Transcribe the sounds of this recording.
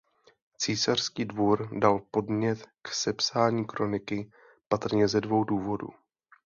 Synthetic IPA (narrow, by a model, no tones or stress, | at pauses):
t͡siːsar̝̥skiːdvuɾdalpo̞dmɲɛt̪ksɛpsaːɲiːkɾo̞nɪkɪ | pat̪r̩ɲɛzɛdvo̞wduːvo̞dṵ